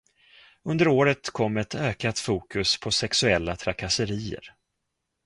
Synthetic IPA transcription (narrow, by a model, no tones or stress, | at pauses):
ɵnd̪əɾoːɾət̪kʰɔmːɛt̪ʰøːkat̪fuːkɵspʰɔsɛksɵɛlːat̪ʰɾakʰasəɾiːə̰ɾ